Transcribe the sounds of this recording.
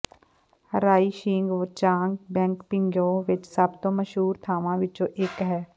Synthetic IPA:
həɾaːiːʃĩːŋɡʋot͡ʃãːŋɡbɛ̃ːŋkpɪ̃ŋɡjõːʋɪt͡ʃsəb̚t̪õːməʃɦuːɾt̪ʰaːʋãʋɪt͡ʃõːʔekɦɛː

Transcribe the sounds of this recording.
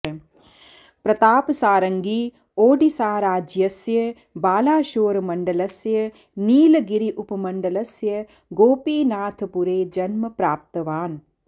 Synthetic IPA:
pɾɐt̪aːpɐsaːɾɐŋɡiː | oːɖisaːɾaːd͡ʒjɐsjɐ | baːlaːʃoːɾɐmɐɳɖɐlɐsjɐ | niːlɐɡiɾiʔupɐmɐɳɖɐlɐsjɐ | ɡoːpiːnaːt̪ʰɐpuɾeːd͡ʒɐnmɐpɾaːp̚t̪ɐʋaːn

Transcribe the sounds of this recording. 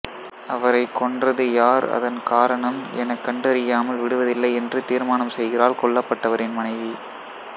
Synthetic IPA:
ʔɐʋɐɾɐɪkːɔɳdrɐðɯjaːɾɐ̰ðɐ̰nkaːɾɐɳɐmʔɛnɐkːɐɳɖɯɐɾɪjaːmɐlʋɪɽɯʋɐðɪlːɐɪɛndrɯt̪iːɾmaːnɐmsɛjɣɪraːlkɔɭːɐpːɐʈːɐʋɐɾɪnmɐnɐɪʋi

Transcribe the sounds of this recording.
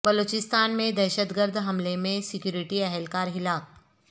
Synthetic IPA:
bɐloːt͡ʃɪst̪aːnmẽd̪ɛːʃət̪ɡəɾd̪ʱɦɐmlemẽsɪkjuːɾɪʈiɛɦɛlkaːɾɦɪlaːp̚

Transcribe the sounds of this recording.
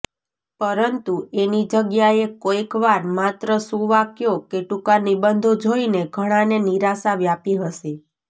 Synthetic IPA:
pəɾənt̪uenid͡ʒəɡjaekoikʋaɾmat̪ɾəsũʋakjokeʈukanibənd̪ʱod͡ʒʱoineɡʱəɽ̃aneniɾasaʋjapiɦəʃe

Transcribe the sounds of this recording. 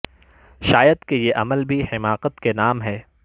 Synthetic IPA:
ʃaːjəd̪kejeʔɐməlbʱihɪmaːqət̪kenaːmɦɛː

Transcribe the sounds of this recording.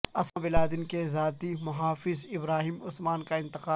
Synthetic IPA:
ɐsãbɪlaːd̪ɪnkezaːt̪imʊɦaːfɪzɪbɾaːɦiːmʊsmaːnkaɪ̃nt̪ɪqaː

